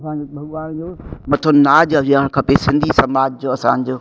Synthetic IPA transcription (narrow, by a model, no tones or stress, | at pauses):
ɐsãːɲd͡ʑobʱɐɠʋaːnd͡ʑoːmɐt̪ʰonaːd͡ʑɐiaɽ̃kʰɐpesɪ̃nd̪ʱisɐmaːd͡ʑd͡ʑoːɐsã̰ːɲ̆d͡ʑoː